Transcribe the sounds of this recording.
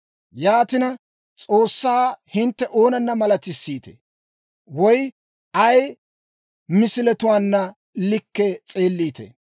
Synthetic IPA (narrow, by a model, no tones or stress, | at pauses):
jaːt̪ɪnɐ | t͡sʼo̞ːsːaːhɪnt̪ːɛʔo̞ːnɐnːɐmɐlɐt̪ːɪsːiːt̪ḛ | wɔj | ʔɐj | mɪsɪlɛt̪ʊwaːnːɐ | lɪkːɛt͡sʼe̞ːlːiːt̪ḛ